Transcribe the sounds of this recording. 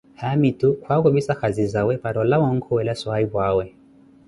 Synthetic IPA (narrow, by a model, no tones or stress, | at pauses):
hamitukʰwakɔβisakazizawɛpaɾɔlawɔŋ̩kʰɔwɛlasɔaiβwawɛ